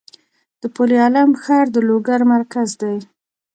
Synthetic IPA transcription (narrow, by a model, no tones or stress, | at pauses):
d̪̥əpoliɑlamxɑɾd̪əloɡaɾmaɾkazd̪aj